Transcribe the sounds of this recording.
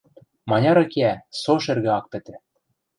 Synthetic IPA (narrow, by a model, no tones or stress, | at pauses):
mɑnʲɑɾɤ̆keæsoʃĕrɣɘ̆ɑk̚pɘ̆t̪ɘ̆